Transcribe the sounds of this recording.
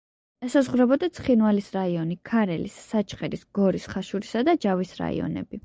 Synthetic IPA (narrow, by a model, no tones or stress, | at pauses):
asazʁɾɛbɔd̪at̪sʰχinvalisɾaiɔnikʰaɾɛlisːat͡ʃʰχɛɾisɡ̥ɔɾisχaʃuɾisad̪ad͡ʒavisɾa̰ḭɔ̰nɛ̰bi